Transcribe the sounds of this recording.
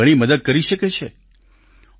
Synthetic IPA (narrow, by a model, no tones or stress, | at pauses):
əɽ̃iməd̪əd̪̚kəɾiʃəket͡ʃʰe